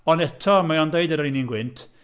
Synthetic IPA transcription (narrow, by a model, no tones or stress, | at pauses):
ɔnɛtʰɔamaɔndeɨdəɾɪjninɡwɪntʰ